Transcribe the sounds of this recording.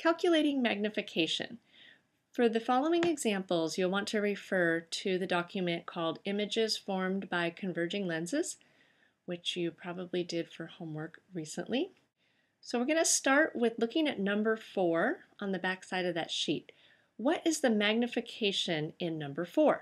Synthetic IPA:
kʰælˠkʰjɨleɪɾɪ̃ŋmæɡ̚nɨfɨkʰeɪʃɨ̰̃n | fə˞ðɨfɑlˠoʊɪ̃ŋɨɡzæ̃mpl̩ˠzjɨlˠwɑ̃ntʰɨɹɨfɜ˞ɾɨðɨdɑkʰjɨmɨ̃nkʰɔlˠdɪ̃mɨd͡ʒɪz̥fɔɹmbaɪkʰɨ̃ɱvɜ˞d͡ʒɪ̃ŋlɛ̃nzɨz̥ | wɨt͡ʃjɨpʰɹ̥ɑbəblidɪd̥fə˞hõʊ̃mwɜ˞kɹisə̰̃nʔli | soʊwɨɹɡʌnɨstɑɹʔwʔɪðlʊkɪ̃ŋɨtⁿnʌ̃mbə˞fɔɹʔə̃nðɨbæksaɪɾʌvðɨ̰tʃit̚ | wʌɾʔɨzðɨmæɡ̚nɨfɨkʰeɪʃɨ̃nɪ̃nːʌ̃mbə˞fɔɹ

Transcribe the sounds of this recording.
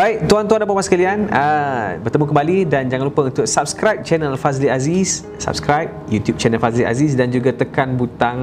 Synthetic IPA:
baiʔ̚t̪uant̪uandapamasə̥kalianəbərt̪əmukəmbalidand͡ʒaŋanlupəunt̪ʊksap̚skɾajp̚t͡ʃɛnəlfazliazis | sa̰p̚skɾajp̚jut̪jup̚t͡ʃɛnəlfazliʔa̰zis̬dand͡ʒuɡat̪əkanbut̪aŋ

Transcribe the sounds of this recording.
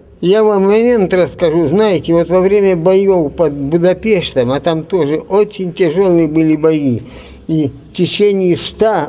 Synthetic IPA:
javamːɐmʲent̪rəskɐʐuznajɪtʲɪvo̞t̪vɐvɾʲemʲəbɐjowpɐd̪bʊd̪ɐpʲeʂt̪əmɐt̪amt̪o̞ʐɨʔot͡ɕɪnʲtʲɪʐolˠɨjəbɨlʲɪbɐji | i | tʲɪt͡ɕenʲɪjɪst̪a

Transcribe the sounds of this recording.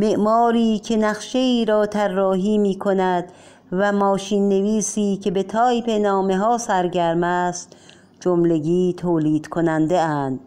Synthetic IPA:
me̞ʔmɒːɾiːkʰe̞næχʃe̞iːɾɒːt̪ʰærːɒːɦiːmiːkʰo̞næd̪̥ | væmɒːʃiːnːe̞viːsiːkʰe̞be̞t̪ʰɒːjpe̞nɒːmeɦɒːsæɾɟæɾmæːst̪ | d͡ʒomle̞ɡiːt̪ʰoːliːd̪̥kʰonænd̪eænd̪̥

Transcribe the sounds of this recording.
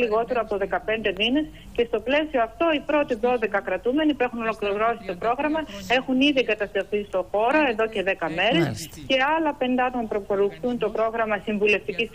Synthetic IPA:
liɣo̞t̪e̞ɾoɐpoðe̞kɐpe̞nd̪e̞mine̞s | ce̞st̪o̞ple̞sio̞ɐft̪o̞ipɾo̞t̪iðo̞ðe̞kɐkɾɐt̪ume̞nipue̞xuno̞lo̞kliɾo̞si̥t̪o̞pɾo̞ɣɾɐmɐe̞xuniðiɡɐt̪ɐst̪ɾoθist̪o̞xo̞ɾo̞e̞ðo̞ce̞ðe̞kɐme̞ɾe̞sce̞ɐlɐpe̞nd̪ɐt̪onpɾokoɾuxθunt̪o̞pɾo̞ɣɾɐmɐsiɱvule̞ft̪icis

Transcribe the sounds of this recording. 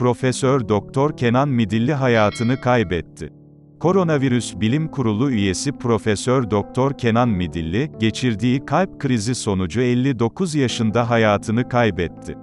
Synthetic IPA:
pɾo̞fɛsøɾd̪ok̚t̪ʰɔɾcʰenanmid̪ilʲːiɦajaːt̪ʰɯnɯkʰajbɛt̪ʰːɪ̰ | kʰo̞ɾo̞naviɾysbilʲimkʰuɾulˠuyje̞sipʰɾo̞fɛsøɾd̪o̞k̚t̪ʰɔɾcʰe̞nanmid̪ilʲːiɟe̞t͡ʃʰiɾd̪iːkʰalʲp̚kʰɯɾiziso̞nud͡ʒuɛlʲːid̪o̞kʰuzjaʃɯnd̪aɦajaːt̪ʰɯnɯkʰajbɛt̪ʰːɪ̰

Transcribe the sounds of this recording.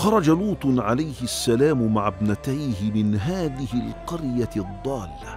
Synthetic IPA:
xɑɾˤɑd͡ʒaluːt̪ˤnʕalajhɪʔasːalaːmʊmaʕabnat̪ajhɪmɪnɦaːðɪhɪlqɑɾjaðˤːɑːlɪːa

